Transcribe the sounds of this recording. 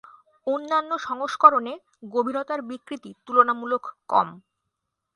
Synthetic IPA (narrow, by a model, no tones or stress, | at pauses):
onːanːoʃɔŋoʃkɔɾone | ɡobʱinot̪aɾbikɾit̪it̪ulonamulokːɔ̰m